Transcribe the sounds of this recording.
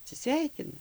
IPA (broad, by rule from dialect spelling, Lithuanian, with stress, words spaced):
ɐtʲsʲɪˈsʲʋʲɛɪkʲɪnɐ